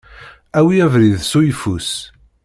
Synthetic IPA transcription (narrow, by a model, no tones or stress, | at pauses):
æwiævɾiðsujfus